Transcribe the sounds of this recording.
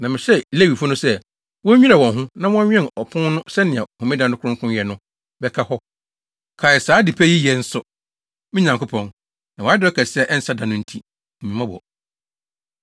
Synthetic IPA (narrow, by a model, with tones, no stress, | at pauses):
nã˨mɪ̃˨ɕɛ˦le˦˨wi˨fʊ˦nʊ̃˦sɛ˦ | wɔ̃˦ɲĩ˦a˨wɔ̃˨nɦʊ̃˦nã˦wɔ̃˦a˦ɲᶣ˦ɛ̃˦˨ɔ˨pʰʊ̃˦nnʊ̃˦sɛ˦nɪ̃˨ã˨hũ˨mɪ̃˦dã˦nʊ̃˦kʰʊ̃˦ŋkʰʊ̃˦jɛ˨nʊ̃˦ | bɛ˦kʰa˦hɔ˦ | kʰa˨ɛ˨saː˨˦di˨pʰɛ˦ji˦jɛ˨n̩˦sʊ˦ | mɪ̃˦ɲã˨ŋkʊ˦pʰɔ̃˦n | nã˨wa˨a˦dɔ˦kʰɛ˨sɪ˦ɛ˦˨ʔɛ˦n̩˦sa˦dã˨nʊ̃˦n̩˦tʰi˦˨ | mĩ˨mã˦bɔ̰˨